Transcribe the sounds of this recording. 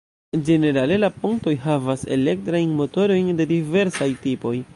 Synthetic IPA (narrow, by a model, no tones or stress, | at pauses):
d͡ʒe̞ne̞ɾale̞lapuŋkto̞jɦavase̞̰le̞k̚tɾajnmo̞to̞ɾo̞jnde̞dive̞ɾsajtipo̞j